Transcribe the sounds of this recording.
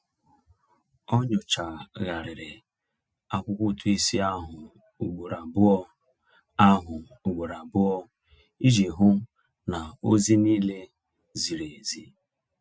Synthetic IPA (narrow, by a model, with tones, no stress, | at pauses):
ɔ˦ɲʊ˨t͡ʃa˨ɣa˨ɾɪ˨ɾɪ˨ | a˨kʷʊ˦kʷʊ˦tu˦i˦si˦a˦ɦʊ˨ | u˨ɡ͡bo˨ɾa˨bʊ˦ɔ˦ | a˦ɦʊ˨ | u˨ɡ͡bo˨ɾa˨bʊ˦ɔ˦ | i˦d͡ʒe˨ɦʊ˦ | na˨o˦zi˦niː˦le˦ | zi˨ɾe˨zi˦